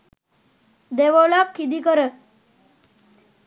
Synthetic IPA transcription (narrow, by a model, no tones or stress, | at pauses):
d̪eʋolakʰːid̪ikəɾə